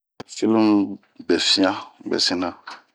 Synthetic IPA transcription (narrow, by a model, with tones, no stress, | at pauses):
fi˦lm˦ | bɛ˨fĩ˦ã˦bɛ̰˨se˦nã˨